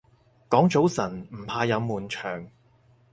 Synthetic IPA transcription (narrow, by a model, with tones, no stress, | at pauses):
kɔː˨˥ŋt͡so˨˥wsɐ˨˩nm̩˨˩pʰaː˧jɐ˨˧wmuː˨˩nt͡ʃʰœ̰ː˨˩ŋ